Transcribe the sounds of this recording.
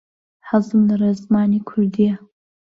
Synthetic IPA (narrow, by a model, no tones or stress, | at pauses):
ħazɨmnɨɾazmaːnikʷʰʊrd̪ija